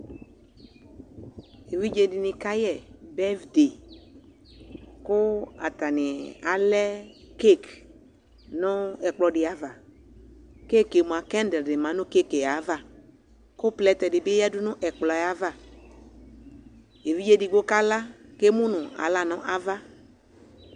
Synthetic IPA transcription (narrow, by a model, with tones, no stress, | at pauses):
e˨vi˦d͡ʒe˦di˨nɪ̃˨ka˦jɛ˦˨bɛ˦vde˨ | ko˦a˨t̪a˨nɪ˨a̰˨lɛ˦ | ke˦˨k | nɔ̃˦ɛ˨k͡plɔ˨ɖɪ˨a˨va˨ | ke˦ke˨mũ˨a˨kɛ˦ndɛ˨dɪ˨mã˨˦nʊ̃˦ke˦ke˨ja˨˦va˦ | ko˦plɛ˦t̪ɛ˨dɪ˨be˦ja˦dʊ˦nʊ̃˦ʔɛ˨k͡plɔ˨ja˨˦va˦ | e˨vi˦d͡ʒe˦di˨ɡo˦ka˦la˦ke˦mũ˦nʊ̃˨a̰˨la˦nɔ̃˦ʔa˨va˦